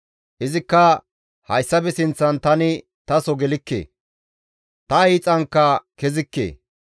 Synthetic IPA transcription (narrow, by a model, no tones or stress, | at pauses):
ʔɪzɪkːɐ | hɐjsːɐbɛsɪnt͡sːɐnt̪ɐnɪ | t̪ɐsɔɡɛlɪkːḛː | t̪ɐijːt͡sʼɐŋkːɐkɛzɪkːḛː